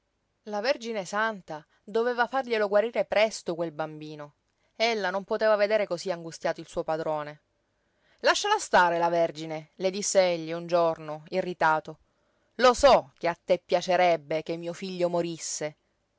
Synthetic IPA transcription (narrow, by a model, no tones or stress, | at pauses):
laverd͡ʒinesant̪a | d̪oveːvafarʎeloɡwaɾiːɾepɾɛst̪okwelbambiːno | elːanompot̪eːvaved̪eːɾekosiaŋɡust̪jaːt̪oilsuːopad̪ɾoːne | laʃːalast̪aːɾelaverd͡ʒineled̪isːeeʎːiund͡ʒornoirːit̪aːt̪o | losɔk̟eat̪ːepːjat͡ʃeɾɛbːek̟emːiːofiʎːomoɾisːe